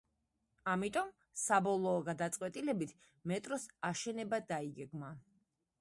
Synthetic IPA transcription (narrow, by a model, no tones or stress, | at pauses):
amit̪ʼɔm | sabɔlˠɔːɡad̪at̪sʼqʼwɛt̪ʼilɛbit̪ʰ | mɛt̪ʼɾɔsaʃɛnɛbad̪aiɡɛɡma